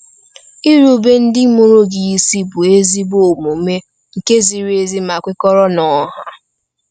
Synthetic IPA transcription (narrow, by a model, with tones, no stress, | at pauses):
i˦ɾu˨be˦n̩˦dɪ˦mo˦ɾo˦ɡi˨i˦si˦bʊ˨e˦zi˦bo˨mu˨˦me˦ | ŋ̩˨ke˦zi˨ɾe˨zi˦ma˨kʷɪ˦kɔ˦ɾɔ˦nɔ˨˦ɦa˦